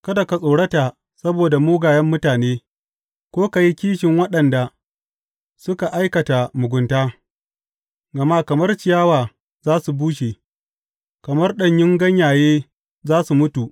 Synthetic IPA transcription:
kɐ˦dɐ˨ka˨sʼoː˨ɽɐ˦ta˨ | sɐ˦boː˨da˨muː˦ɡaː˨jɐ˦mːʊ˦taː˨neː˦ | kʷoː˦ka˨ji˦kʲiː˦ʃɪ˨ŋwɐ˦ɗɐ˨nda˨ | sʊ˦ka˨ʔa˦jkɐ˨ta˨mʊ˨ɡʷʊ˨ntaː˦ | ɡɐ˨ma˦kɐ˨mɐ˦rt͡ʃɪ˨jaː˦waː˨ | zaː˦su˨buː˦ʃeː˨ | kɐ˨mɐ˦rɗɐ˦˨ɲjɪ˦ŋɡɐ˦ɲjaː˨jeː˦ | zaː˦su˨mʊ˦tu˨ʔ

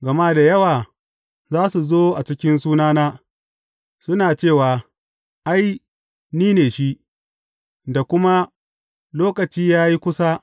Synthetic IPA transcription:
ɡɐ˨ma˦da˨jɐ˦waː˨ | zaː˦su˨zoː˦ʔa˨t͡ʃɪ˦kʲɪ˦nsuː˦naː˦naː˦ | sʊ˦naː˨t͡ʃeː˦˨waː˨ | ʔa˦j | niː˦neː˨ʃi˦ʔ | da˨kʷʊ˦ma˦ | loː˦kɐ˨t͡ʃiː˦jaː˦ji˦kʷʊ˦sa˦

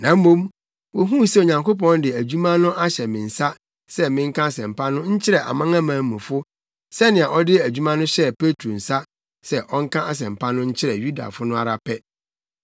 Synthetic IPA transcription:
nã˨m̩˦mõ˦m | wɔ˨ɦũ˦sɛ˦˨o˨ɲã˨ŋko˦p̬ɔ̃˦ndɪ˨æ˨d͡ʑᶣu˦mã˦nʊ̃˦ʔa˦ɕɛ˨mɪ̃˨n̩˨sa˦ | sɛ˦mɪ̃˦ŋ̩˦kã˦a˨sɛ̃˨m̩˨pʰa˦nʊ̃˦ɲ̩˦t͡ɕʰɪ˦ɾɛ˨ʔa̰˨mã˦ŋã˦mãː˨˦mũ˨fʊ˦ | sɛ˦nɪ̃˨a˨ʔɔ˦dɪ˦æ˨d͡ʑᶣu˦mã˦nʊ̃˦ɕɛ˦˨pe˦tʰo˨n̩˨sa˦ | sɛ˨ʔɔ˦ŋ̩˦kʰã˦ʔa˦s̬ɛ̃˨m̩˨pʰa˦nʊ̃˦ɲ̩˦t͡ɕʰɪ˦ɾɛ˨ju˦da̰˨fʊ˦nʊ̃˦a̰˨ɾa˨pʰɛ˦

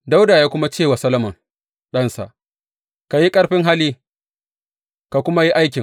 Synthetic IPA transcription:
da˦wdaː˨jaː˦kʷʊ˦ma˦t͡ʃeː˦˨wa˨sɐ˦lɐ˦mɐ˨ŋ | ɗɐ˦nsa̰˨ʔ | ka˨ji˦kʼɐ˦ɽɸɪ˦ŋɦa˦liː˦ | ka˨kʷʊ˦ma˦ji˦ʔa˦jkʲɪ˨ŋ

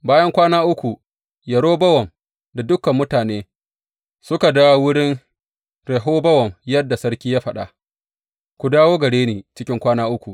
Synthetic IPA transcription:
baː˦jɐ˦ŋkʷaː˦naː˦ʔʊ˦kʷu˨ | jɐ˨ɽoː˦bɐ˦wɔ˨m | da˨dʊ˦kːɐ˨mːʊ˦taː˨neː˦ | sʊ˦ka˨da˦wa˦wʊ˦ɽɪ˦n | ɾɛ˨ɦoː˦bɐ˦wɔ˨mjɐ˦dːa˨sɐ˦ɽkʲiː˦jaː˦ɸɐ˨ɗa̰˨ | kʷu˨daː˦woː˦ɡɐ˨ɽeː˦neː˨t͡ʃɪ˦kʲɪ˦ŋkʷaː˦naː˦ʔʊ˦kʷu˨ʔ

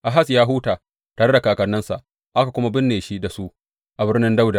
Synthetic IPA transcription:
ʔa˨ɦa˦sjaː˦ɦu˦taː˨ | taː˨ɽe˦da˨kaː˨kɐ˨nːɐ˦nsa̰˨ʔ | ʔa˦ka˨kʷʊ˦ma˦bɪ˦nːeː˨ʃi˦da˨su˦ | ʔa˨bɪ˦rnɪ˦nda˦wda˨

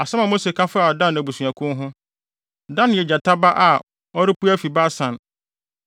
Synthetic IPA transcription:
a˨sɛ̃˦mã˨mo˦se˨kʰã˦fa˨dã˦næ˨bu˨sũ˨ã˨kʰʊ̃˦nɦʊ̃˦ | dã˦n˨jɛ˨d͡ʑa˨tʰa˦ba˦ʔa˨ | ɔ˦ɾɪ˦pu˦æ˦fi˨ba˦sã˨n

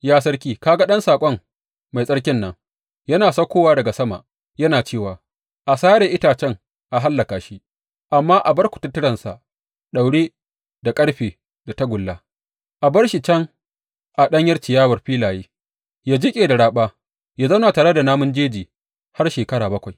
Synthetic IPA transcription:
jaː˦sɐ˦rkʲiː˦kaː˦ɡa˦ɗɐ˦nsaː˨kʷʼɔ˦ŋ | ma˨jsʼɐ˦ɽkʲɪ˦nːɐ˦ŋ | jɐ˦naː˨sɐ˦kʷoː˦waː˦dɐ˨ɡa˨sɐ˦ma̰˨ʔ | jɐ˦naː˨t͡ʃeː˦˨waː˨ | ʔa˨saː˦ɽeː˨ʔɪ˦taː˨t͡ʃɛ˦ŋ | ʔa˨ɦa˦lːɐ˨kaː˨ʃi˦ | ʔa˨mːaː˦ʔa˨bɐ˦ɽkʷʊ̥˨tʊ˦tːɪ˦ɽɐ˨nsa̰˨ʔ | ɗa˨wɽeː˦ | da˨kʼɐ˦ɽɸeː˨ | da˨ta˦ɡʷʊ˨lːa˦ | ʔa˨bɐ˦ɽʃi˨t͡ʃɐ˦ŋ | ʔa˨ɗɐ˦ɲjɐ˦rt͡ʃɪ˨jaː˦wɐ˨rɸiː˦laː˨jeː˦ | jaː˦d͡ʒɪ˦kʲʼeː˨da˨ɽaː˨ɓaː˦ | jaː˨zɐ˦wnaː˨taː˨ɽe˦da˨naː˦mʊ˦nd͡ʒeː˦d͡ʒiː˨ | ha˦rʃeː˨kɐ˦ɽaː˨bɐ˦kʷa˨j

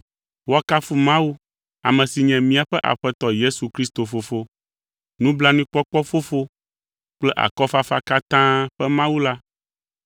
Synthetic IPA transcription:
wo˦a˦ka˦fu˦mã˦wu˦ | a˨mɛ̃˨si˨ɲɛ̃˨mĩ˦a˨ɸɛ˦ʔa̰˨ɸɛ˦t̪ɔ˦je˦su˨kɾi˦st̪o˨fo˨fo˦ | nũ˦bla˦nũ˦k͡pɔ˦k͡pɔ˦fo˦fo˦ | k͡plɛ˦ʔa̰˨kɔ˦fa˦fa˦ka˦t̪ã˦ɸɛ˦mã˦wu˦la˦

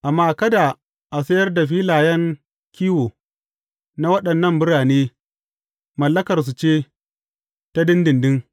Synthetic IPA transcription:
ʔa˨mːaː˦˨kɐ˦da˨ | ʔa˨sɐ˦jɐ˦rda˨ɸiː˦laː˨jɐ˦ŋ | kʲiː˦woː˨ | na˦wɐ˦ɗɐ˨nːɐ˦˨mbʊ˦ɽaː˨neː˦ | mɐ˨lːɐ˦kɐ˨rs̬u˨t͡ʃeː˦ | ta˦dɪ˦ndɪ˨ndɪ˦ŋ

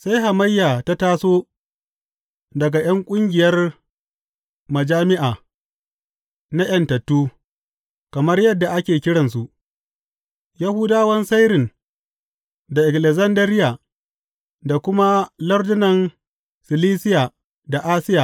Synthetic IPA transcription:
sa˦jɦa˨mɐ˦jːaː˨ta˦taː˦soː˦ | dɐ˨ɡa˨j̰ɐ˦ŋkʷʼʊ˦ŋɡʲɪ˨jɐ˦r | mɐ˨d͡ʒaː˦mɪ˦ʔaː˨ | na˦j̰ɐ˨ntɐ˨tːuː˦ | kɐ˨mɐ˦rjɐ˦dːa˨ʔa˦kʲeː˨kʲɪ˦ɽɐ˨nsu˨ʔ | ja˦hʊ˦daː˦wɐ˦nsa˦jɾɪ˨n | da˨ʔɪ˨klɛ˨zɐ˦ndɐ˦ɾɪ˦jaː˨ | da˨kʷʊ˦ma˦lɐ˦rdʊ˦nɐ˨n | sɪ˨liː˦sɪ˦jaː˨ | da˨ʔaː˦sɪ˦jaː˨

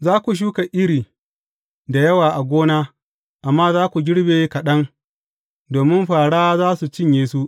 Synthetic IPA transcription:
zaː˦kʷu˨ʃ̬uː˦ka˨ʔɪ˦ɾiː˨ | da˨jɐ˦waː˨ʔa˨ɡʷoː˦naː˦ | ʔa˨mːaː˦zaː˦kʷu˨ɡʲɪ˦ɽbeː˨kɐ˨ɗɐ˦ŋ | doː˨mɪ˦mɸaː˨ɽaː˦zaː˦su˨t͡ʃɪ˦ɲjeː˨su˦ʔ

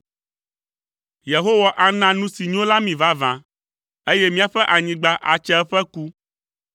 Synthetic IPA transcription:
je˨ɦo˦wa˨ʔa˨nã˦nũ˦si˨ɲ˦õ˦la˦mĩ˨va˦vã̰˨ | e˦jɛ˦mĩ˦a˨ɸɛ˦ʔa˨ɲĩ˦ɡ͡ba˦ʔa̰˨t͡ʃɛ˦ɛ˦ɸɛ˦ku˦

